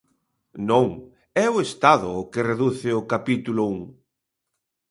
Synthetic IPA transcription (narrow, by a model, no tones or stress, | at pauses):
nõŋ | ɛʊest̪aðʊːkɪreðuθɪʊkapit̪ulʊuŋ